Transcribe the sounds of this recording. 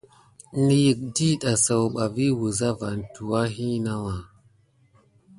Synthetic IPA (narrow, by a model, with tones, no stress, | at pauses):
ni˨ji˨k̚di˦ɗa˨sa˨wɓa˨vi˦wu˨za˦va˨n˨tu˨wa˦ɦi˦na˦wa˨